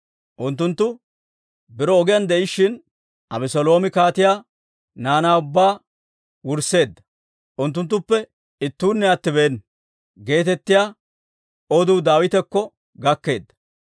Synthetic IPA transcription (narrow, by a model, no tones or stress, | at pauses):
ʔʊnt̪ːʊnt̪ːʊ | bɪɾɔːɡɪjɐnd̪ɛɪʃːɪn | ʔɐbɛsɔlo̞ːmɪkaːt̪ɪjaː | naːnaːʊbːaː | wʊɾse̞ːd̪ːɐ̥ | ʔʊnt̪ːʊnt̪ːʊpːɛ | ɪt̪ːuːnːɛɐt̪ːɪbe̞ːn | ɡe̞ːt̪ɛt̪ːɪjaː | ɔd̪uːd̪aːwɪt̪ɛkːɔ | ɡɐkːe̞ːd̪ːɐ̥